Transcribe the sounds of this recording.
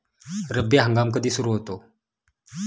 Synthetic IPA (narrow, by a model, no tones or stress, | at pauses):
ɾəbːeɦəŋɡamkəd̪isuɾuɦot̪o